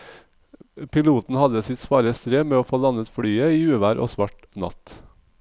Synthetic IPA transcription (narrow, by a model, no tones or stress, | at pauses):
pʰɪluːt̪n̩hɑd̪əsɪt̪spɑːɾəst̪ɾeːmeːoːfoːd̪ɑnət̪fɽyːəiːʉːʋæːɾʔo̰ːsʋɑʈ | nɑ̰t̪